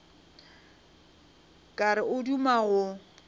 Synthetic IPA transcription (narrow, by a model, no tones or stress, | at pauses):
kʼaɾɪʊdumaɣʊ